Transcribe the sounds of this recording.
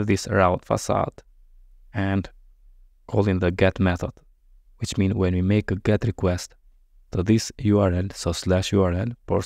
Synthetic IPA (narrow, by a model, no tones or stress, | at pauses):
vðisɹawtfa̰sa̰d̪ | ɛ̃nd | kʰɔlˠĩŋðəɡɛt̪mɛθɔ̰d̥ | wit͡ʃmĩnwɛ̃nwimeɪkəɡɛt̪ɹikwɛst | tʰːəðisjuaɹɛlsoslæʃjuaɹɛlpɔ